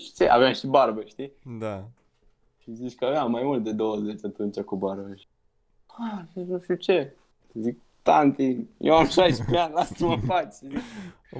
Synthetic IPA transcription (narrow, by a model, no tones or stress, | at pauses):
ʃi̥t͡ʃeʔa̰veamʃibarbəʃt̪id̪a | ʃizit͡ʃʲkəaveammːajmult̪̚d̪e̞d̪o̞wəzet͡ʃʲat̪unt͡ʃakubarbəʃi̥ | azinuʃt̪it͡ʃe | zik | t̪ant̪injʔḛwamʃajʃpeanlassəməfat͡ʃzi